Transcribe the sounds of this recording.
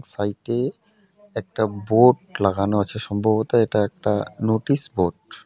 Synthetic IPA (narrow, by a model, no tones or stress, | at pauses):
ŋsajʈe | ɛk̚ʈaboɖlaɡanoat͡ɕʰeʃɔmbʱɔbot̪aeʈaɛk̚ʈanoʈisboɖ